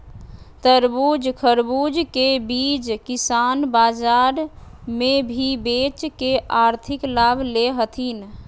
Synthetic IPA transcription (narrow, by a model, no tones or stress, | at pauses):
t̪əɾbud͡ʒkʰəɾbud͡ʒkebid͡ʒkisanbad͡ʒaɾ | mebʱibet͡ʃkeʔaɾt̪ʰiklabʱleɦət̪ʰin